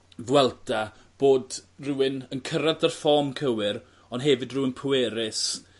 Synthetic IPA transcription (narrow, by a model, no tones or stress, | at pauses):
ðwɛlˠda | b̥oːdruːɪnənkʰəɾadarfɔmkʰəwɪɾ | ɔndɦɛvɨdruɪnpʰʊwɛɾɪs